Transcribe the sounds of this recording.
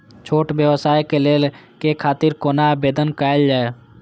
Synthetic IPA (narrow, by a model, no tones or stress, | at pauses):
t͡ʃʰoːʈbjəʋsaːjkeleːl | kekʰaːt̪iɾkoːnabeːd̪ənkaːəld͡ʒaːe